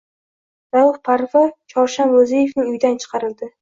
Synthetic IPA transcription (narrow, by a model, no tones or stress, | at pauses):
ɾawɨχpʰaɾfat͡ʃʰɒɾʃanɾozejevnɪŋʊjd̪ant͡ʃʰɨ̥qʰɑɾɪld̪ɪ